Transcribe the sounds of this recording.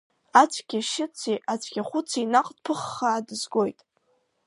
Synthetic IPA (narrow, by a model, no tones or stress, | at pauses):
at͡sʷʰʼɡʲɪʃɪt͡sʰiʔat͡sʷʰʼɡʲaχʷʊt͡sʰinaqʼd̥pʰɨχːaːdɨzɡo̞jtʼ